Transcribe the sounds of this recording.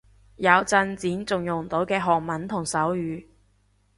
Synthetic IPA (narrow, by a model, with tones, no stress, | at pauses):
jɐ˨˧wt͡sɐ˧nt͡siː˨˥nt͡sʊ˨ŋjʊ˨˩ŋ̩˨t̪o˨˥wkɛː˧ɦɔː˨˩k̚mɐ˨˥nt̪ʰʊ˨˩ŋsɐ˨˥wjyː˨˧